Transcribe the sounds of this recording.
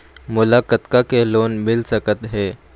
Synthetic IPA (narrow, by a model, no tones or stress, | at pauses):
mulakət̪kakeloːnmɪlsəkət̪ɦe